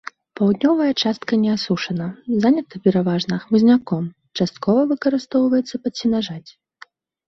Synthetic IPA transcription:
pawd̪nʲɔvɐjɐt͡ʂast̪kɐnʲɛasuʂɐnɐzanʲɐt̪ɐpʲɛɾavaʐnɐxmɨzʲnʲakɔm | t͡ʂast̪̚kɔvɐvɨkɐɾɨst̪ɔwvɐjɛt̪sːɐpɐsʲinaʐat͡sʲ

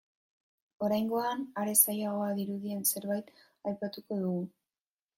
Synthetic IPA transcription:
o̞ɾajŋɡo̞anaɾe̞sajaɣ̞o̞aðiɾuðie̞nse̞ɾβajt̪ | ajpat̪uko̞ðuɣu

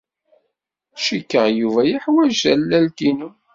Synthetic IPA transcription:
ʃikːəʁjuvæjiħwæʒælːælkinu

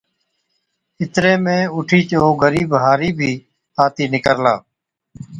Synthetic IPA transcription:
ɪt̪ɾeːmẽːʊʈʰiːt͡ʃoːɡəɾiːbɦaːɾiːbʱiː | aːt̪iːnɪkəɾla̰ː

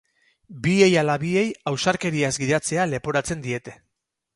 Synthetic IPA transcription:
bie̞jalaβie̞jawsaɾke̞ɾiazɡiðat͡se̞ale̞po̞ɾat͡se̞nd̪ie̞t̪e̞

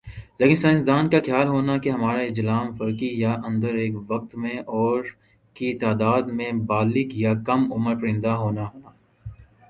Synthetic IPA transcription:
leːkɪ̃nsaːnsd̪aːnkaxjaːlɦoːnakeɦɐmaːɾeɪd͡ʒlaːmfɐɾkijaʔɐ̃nd̪əɾeːkʋɐk̚t̪mẽʔɔːɾ | kit̪aːd̪aːd̪mẽbaːlɪkjakɐmʊməɾpɐɾɪ̃nd̪aɦoːnaɦoːnaː

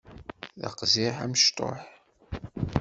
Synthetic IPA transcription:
ðə̰qzɪħæmʃt̪ˤo̰ħ

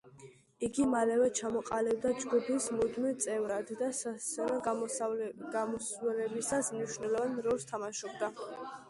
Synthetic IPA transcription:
iɡimalɛvɛt͡ʃʰamɔqʼalib̚d̪ad͡ʒɡupʰismud̪milt̪sʼɛvɾad̪ːassɛvɛ | ɡamɔswɛlɛbisasmniʃvnɛlˠɔvanɾɔlˠst̪ʰamaʃɔbd̪a

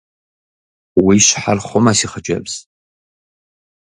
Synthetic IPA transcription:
wiʃʷħarχʷomasiχat͡ʃʷʼa̰bz̥

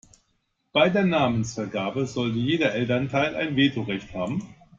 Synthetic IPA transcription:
b̥aɪdeːɐnaːmənsfɛɐɡaːbəzɔlt̬əjeːdɐʔɛltɐntʰaɪlʔa̰ɪnveːtʰoʁɛçthaːbm̩

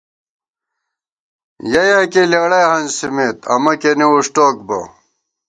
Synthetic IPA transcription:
jɐjaːkelewɽɐjhɐnsimet̪ɐ̰mɐkeniuʂʈoːkbɐ̰

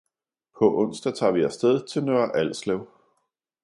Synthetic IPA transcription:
pʰɒ̽ʔɔ̽n̰sd̥ɐt͡sʰɑ̈ʋiæsd̥eð̞ˠt͡sʰe̝lnøːɐʔæl̰slɛʊ

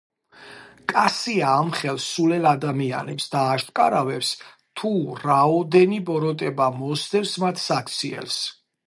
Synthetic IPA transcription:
kʼasiaːmχɛlsulɛlad̪amia̰nɛpsd̪aːʃt̪ʼkʼa̰ɾavɛps | t̪ʰuɾaɔd̪ɛnibɔɾɔt̪ʼɛbamɔsd̪ɛfsmat̪ʰsak̚ʰt̪sʰiɛ̰ls

